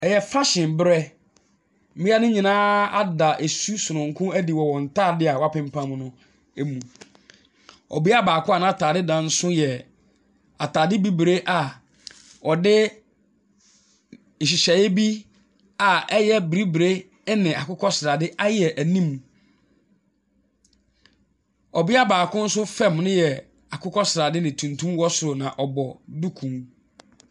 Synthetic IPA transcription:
ɛ˨jɛ˨fa˦ɕɪ̃˨mbɾɛ˦ | m̩˦bi˦a˦nʊ̃˦ɲĩ˨nãː˦a˦da˨ʔe˨su˦sʊ˨nʊ̃˨ŋ̩˨kʰʊ̃˦æ˦di˨wɔ˨wɔ̃˨n̩˨tʰaː˦˨dɪ˦a˨wa˦pʰɪ̃˦m˦pʰã˦mnʊ̃˦ | e˦mũ˨ | ɔ̰˨bi˦a˦˨baː˨kʰʊ˦a˨nã˦˨tʰaː˨dɪ˦dã˨n̩˦sʊ̃˦jɛ˨ | a˨taː˨dɪ˦bi˦bɾe˦ʔa˨ | wɔ˨dɪ˦ | n̩˨ɕ̬ɪ˨ɕɛ˨jɪ˦bi˦ | a˨ɛ˦jɛ˦bɾi˦bɾe˦ | nɪ̃˨a˨kʰʊ˦kʰɔ˦sɾa˨dɪ˦ʔa˦jɛ˨ʔæ˨nĩ˦m˨ | ɔ˨bi˦a˦baː˨kʰʊ̃˦n̩˦sʊ˦fɛ̃˦˨mnʊ̃˦jɛ˨ | a˨kʰʊ˦kʰɔ˦sɾaː˨dɪ˦nɪ̃˨tʰũ˨ntʰũ˦mwɔ˦sʊ˨ɾʊ˨nã˨ʔɔ˨bɔ˨du˦kʰũ˨ŋ

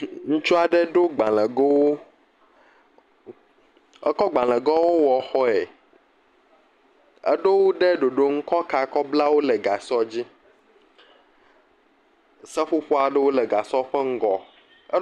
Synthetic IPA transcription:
ŋ̩̃˦t͡ʃu˦a˨ɖɛ˦ɖo˦ɡ͡ba˨lɛ̃˨ɡo˦wo˦ | ɛ˦kɔ˦ɡ͡ba˨l̃ɛ̃˨ɡɔ˦wo˦wɔ˨xɔ˦e˨ | ɛ̰˦ɖo˦wo˦ɖɛ˦ɖo˨ɖo˦ŋ̩˦kɔ˦ka˨kɔ˦bla˦wo˦lɛ˨ɡa˨sɔ˦d͡ʑi˦ | sɛ˦ɸo˦ɸɔ˦a˨ɖɛ˦wo˦lɛ˨ɡa˨sɔ˦ɸɛ˦ŋ̩˦ɡɔ˨˦

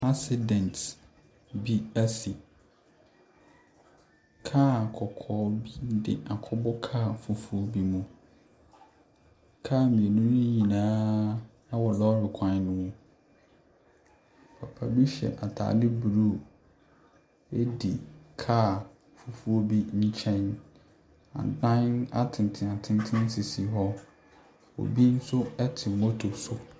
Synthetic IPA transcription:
a˦sɪ˦dɛ̃˨nt | bi˦æ˦si˨ | kʰaː˦˨kʰɔ˨kʰɔː˨˦bi˦dɪ̰˨ʔa˨kʰɔ˦bɔ˦kʰaː˦˨fu˦fu˦o˦bi˦mũ˦ | kʰaː˦˨mĩ˨e˨nũ˦nʊ̃˦ɲĩ˨nãː˦nã˦wɔ˨lɔ˦ɾɪ˨kʷʰã˨˦nʊ̃˦wʊ̃˦ | pʰa˨pʰa˨bi˦ɕɛ̰˨nʔa̰˨tʰa̰ː˨lɪ˦bu˨ɾu˦ | e˦di˨kʰaː˦˨ | fu˦fu˦o˦bi˦ɲ̩˦t͡ɕʰɛ̃˦n | ã̰˨n˨dã˦na˦tʰɪ̃˨n˨tʰɪ̃˨a˨tʰɪ̃˦n˦tʰɪ̃˦n˦si˨si˨ɦɔ˦ | ɔ̰˨bi˦n̩˦sʊ˦ɛ˦tʰɪ˨mo˦tʰo˨sʊ˨

